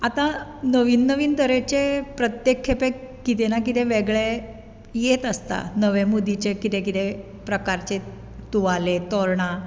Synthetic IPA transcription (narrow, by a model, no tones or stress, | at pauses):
at̪anəʋiːnːəʋiːnt̪əɾet͡ɕepɾət̪jekʰːepekit̪enak̬it̪eʋeɡɭe | jet̪əst̪a̰nəʋemud̪ʱit͡ɕekit̪ekit̪e | pɾəkaɾt͡ɕe | t̪uʋalet̪ɔɾɳa